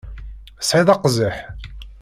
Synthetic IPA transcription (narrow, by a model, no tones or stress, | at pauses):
sʕiðˤɑqzəħ